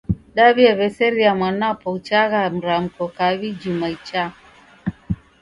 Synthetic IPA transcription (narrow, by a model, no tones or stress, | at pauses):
ɗaβiaβɛsɛɾiamwanapɔut͡ʃaɣam̩ɾam̩kɔkaβid͡ʒumait͡ʃa